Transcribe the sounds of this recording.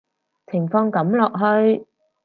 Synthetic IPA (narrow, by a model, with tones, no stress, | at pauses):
t͡sʰɪ˨˩ŋfɔː˧ŋkɐ˨˥mlɔː˨k̚ɦɵ˧ɥ